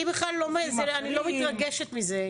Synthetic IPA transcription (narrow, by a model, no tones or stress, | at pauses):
ibeχlallːo̞mezeanilo̞mit̪ʁaɡeʃet̪mize